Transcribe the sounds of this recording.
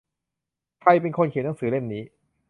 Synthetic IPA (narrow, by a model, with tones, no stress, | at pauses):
kʰɾa˧jpe˧nkʰo˧nkʰːnːa˧˦ŋsɯː˩˦le˥˩mniː˦˥